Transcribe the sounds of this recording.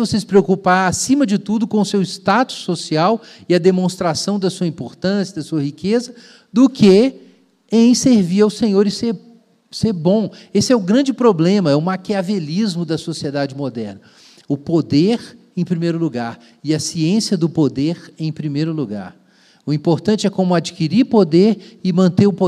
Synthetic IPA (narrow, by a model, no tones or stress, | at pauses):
vosesɪ̥pɾeokupaɾasĩmɐd͡ʒɪt̪ud̪ʊkõʊsewɪst̪at̪ʊ̥sːosiaw | ɪɐd̪emõst̪ɾasɐ̃w̃d̪ɐsuɐĩpoɾt̪ɐ̃sjɐd̪ɐsuɐhikezɐ | d̪ʊkʰe | ẽj̃seɾviɾawsẽɲoɾɪseɾ | seɾbõesɪɛʊɡɾɐ̃d͡ʒɪpɾoblẽmɐɛʊmakeavelizmʊd̪ɐsosied̪ad͡ʒɪmod̪ɛɾnɐ | ʊpod̪eɾ | ẽj̃pɾimejɾʊluɡaɾ | ɪɐsiẽsiɐd̪ʊpod̪eɾẽj̃pɾimejɾʊluɡa̰ɾ | ʊĩpoɾt̪ɐ̃nt͡ʃɪɛkõmʊad͡ʒikiɾiɾpod̪eɾɪmɐ̃nt̪eʊpo